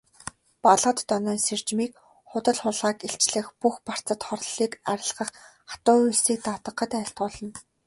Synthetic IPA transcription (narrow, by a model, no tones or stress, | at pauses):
paɮʁə̆t̪ːɔnɔːnser̥t͡ɕmiːk̚ | χʊt̪ə̆ɮχʊɮʁaːkeɬt͡ɕɮɘ̆xpuxpar̥t͡sə̆t̪χɔrɮiːkaɾʲɪ̆ɮʁə̆χ | ḁt̪ʊːujɮsiːk̚t̪at̪ə̆qːə̆t̪æːɬt̪ɢʊːɮə̆n